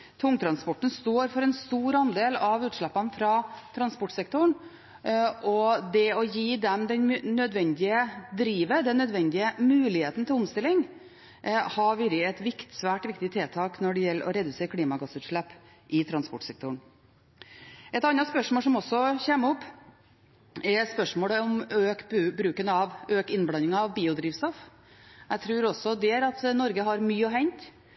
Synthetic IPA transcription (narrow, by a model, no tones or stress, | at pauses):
t̪ʰʊŋt̪ʰɾɑnspɔʈɳ̩st̪oːɾfɔɾɛnst̪uːɾɑnd̪eːlɑʋʉːt̪ʂɭæpːɑnfɾɑːt̪ʰɾɑnspɔʈsɛk̚t̪ʊɳ | ʔɔd̪ɛɔjiːd̪ɛmd̪ɛnnœd̪ʋɛnd̪ɪəd̪ɾiːʋəd̪ɛnːœd̪ʋɛnd̪ɪəmʉːlɪheːt̪n̩t̪ʰɪlɔmst̪ɪlːɪŋ | hɑʋɪɾɪɛt̪ʋɪkt̪sʋæːʈʋɪk̚t̪ɪt̪ʰeːt̪ʰɑːknɔɖɛjɛlːəɾʔɔ̰ɾɛd̪ʉseːɾkʰliːmɑɡɑsʉːt̪ʂɭɛpː | ʔɪt̪ʰɾɑnspɔʈsɛk̚t̪ʊɳ | ʔɛt̪ɑnːɑt̪spœʂmoːlʂɔmɔsːɔçɛməɔpː | ɛɾspœʂmoːləɔmøːkbʉbɾʉːkənɑʋøːkɪnblɑnɪŋɑɑʋbiːʊd̪ɾiːʋst̪ɔf | æt̪ʰɾʉːɾɔsɔd̪ɛæɾɑt̪nɔɾɡəɦɑɾmyːɔɦɛɲt̪